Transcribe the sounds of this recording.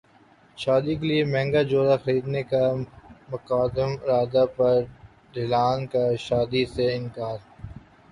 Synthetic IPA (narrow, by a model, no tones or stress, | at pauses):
ʃaːd̪ikeliemɛ̃ːŋɡad͡ʒoːɾaxɐɾiːd̪nekamʊkaːd̪əmɾaːd̪apɐɾ | ɖʱɪlaːnkaʃaːd̪iseɪ̃nkaːɾ